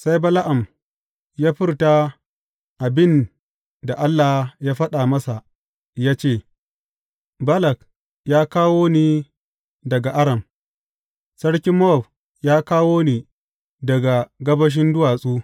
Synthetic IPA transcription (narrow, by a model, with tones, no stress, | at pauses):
sa˦jbɐ˦la˦ʔa˨m | jaː˦ɸɪ˦rta˦ | ʔa˨bɪ˦n | da˨ʔa˦lːa˨hjaː˦ɸɐ˦ɗa˨mɐ˦sa˨ʔ | jaː˦t͡ʃeː˦˨ | bɐ˦lɐ˨k | jaː˦kaː˦woː˦niː˦ | dɐ˨ɡa˨ʔa˦ɽɐ˨m | sɐ˦ɽkʲɪ˦mːɔ˦˨b | jaː˦kaː˦woː˦niː˨ | dɐ˨ɡa˨ɡɐ˦bɐ˦ʃ̬ɪ˦ndʊ˦waː˨sʼuː˦